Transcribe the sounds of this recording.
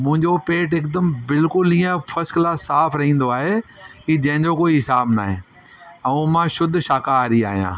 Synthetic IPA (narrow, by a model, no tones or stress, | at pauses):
mʊ̃ɦɪ̃ɲd͡ʑopeːʈ̬ɪkd̪əmbɪlkʊliːə̃fʰɐsklasaːpʰɾɐɦĩːn̆d̪oaːɦe | kiːd͡ʑɐ̃ɦɪ̃ɲd͡ʑokoːiɦɪsaːbnaːɦẽː | ɛ̃ũmãːʃʊd̪ʱʃaːkaːɾia̰ːɦijã̰ː